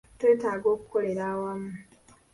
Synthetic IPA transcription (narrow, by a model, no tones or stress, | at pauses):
totaɡokkːoɾeɾawam